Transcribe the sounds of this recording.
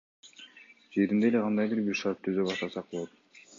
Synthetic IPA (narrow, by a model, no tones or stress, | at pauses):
d͡ʒeɾind̪e̞le̞qʰɑnd̪ɑjbiɾbiɾʃɑɾtt̪ʰːyzøβɑst̪ɑsɑq̚bolˠot̪̚